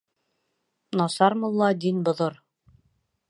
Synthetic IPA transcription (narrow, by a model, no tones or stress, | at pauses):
nɑsɑɾmŏlˠːɑd̪inbŏðoɾ